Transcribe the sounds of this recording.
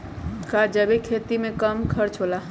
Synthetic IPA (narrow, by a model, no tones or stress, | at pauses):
kad͡ʒəbikʰet̪imekəmkʰəɾt͡ʃʰola